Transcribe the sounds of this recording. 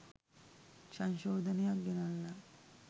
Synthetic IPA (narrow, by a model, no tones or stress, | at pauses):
sanʃoːd̪ənejak̚ɡenalːa